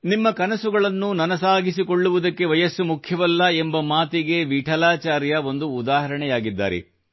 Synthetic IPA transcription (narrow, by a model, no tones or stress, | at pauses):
nimːɐkɐnɐsuɡɐɭɐnːunɐnɐsaːɡisiko̞ɭːuʋud̪ɐkːe̞ʋɐjɐsːumukʰjɐʋɐlːɐembɐmaːt̪iɡe̞ʋiːʈʰɐlaːt͡ʃaːɾjɐo̞nd̪uːd̪aːɦɐɾɐɳɛjaːɡid̪ːa̰ːɾḛ